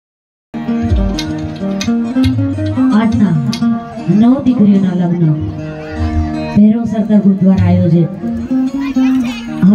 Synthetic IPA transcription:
aʈʰna | nəʋd̪ɪkɾijoːnaləɡnə | bʱeːɾõːsəɾt̪əɾɡud̪ʋaːnaːjoːd͡ʒʰe | ɦ

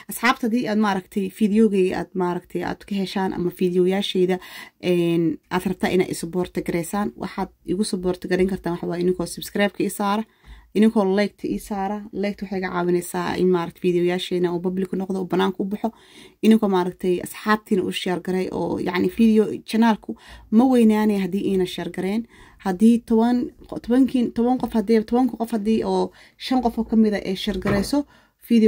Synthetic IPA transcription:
ʔɐsħɑːbt̪ʰɐðiːaːd̪maːɾɐɡt̪ʰɛjfiːðɪjɔɣɛʔa̰ːd̪maːɾɐɡt̪ʰɛja̰ːd̪̥kʰɐɦɛʃaːnʔɐ̰mɐfiːðɪjɔjaːʃɛjðɐʔɛːnʔaːd̪rɐb̚t̪ʰaːʔɪ̰na̰ːd̪ɪ̰sbɔːrt̪ʰɐɡɐɾɛjsaːnwʔɑ̰ħaːd̪̚ɪɣʊsɔbɔːrt̪ʰɐɡɐɾɛŋkʰɐrt̪ʰaːnwɑħwɑjɪnɪŋkʰɔːsʊbskraːb̚kʰɐiːsaːɾɐ | ʔɪnɪŋkʰɔːlɛjk̚t̪ʰɐʔiːsaːɾɐlɛjk̚t̪wʊħejɣɐʕɑ̰ːwɪnɛjsaːɪ̰nmaːɾɐkt̪ʰɛ̥fiːðɪjɔjaːʃɛjnɐuːbɐblɪkʰʊnɔqd̪ɔuːbɐnaːŋkʰɐʊbɑħɔ | ʔɪnɪŋkʰɔmaːɾɐk̚t̪ʰɛjɐ̰sħɑːb̚t̪ʰiːnɐʔʊʃɛrɡɐɾɛjʔɔ̰ːjɑ̰ʕnɪfiːðɪjɔt͡ʃɐnaːlkʰʊmɐwɛjnaːnɛɦɐd̪iːʔɛːnɐʃɛrɡɐɾɛːnhɐd̪iːt̪ʰβɐnt̪ʰɔβɐŋkʰint̪ʰɔβɐŋqɔfhɐd̪ɛːt̪ʰɔβɐŋkʰʊqɔfhɐd̪iːʔɔː | ʃɐnqɔfɔːkʰɐmɪðɐʔɛjʃɛrɡɐɾɛjsɔ | fiːð

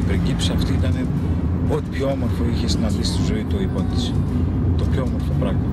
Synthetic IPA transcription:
ipɾiɲɟipsiɐft̪iit̪ɐne̞ | ot̪ipçoo̞mo̞ɾfo̞içesinɐðist̪izo̞it̪uipot̪i̥si̥ | t̪opçoomoɾfo̞pɾɐɣmɐ

